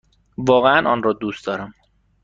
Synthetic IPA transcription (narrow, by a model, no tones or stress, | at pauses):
vɒːɣeænʔɒːnrɒːd̪uːst̪d̪ɒːɾæm